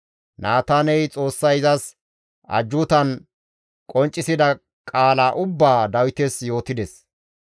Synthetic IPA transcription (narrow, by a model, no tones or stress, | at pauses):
nʔaːt̪aːnɛjt͡sʼo̞ːsːɐjɪzɐs | ɐ̰d͡ʒːʊt̪ɐn | kʼɔnt͡ʃʼːɪsɪd̪ɐ | kʼaːlaːʔʊbːaːd̪ɐwɪt̪ɛsjo̞ːt̪ɪd̪ɛs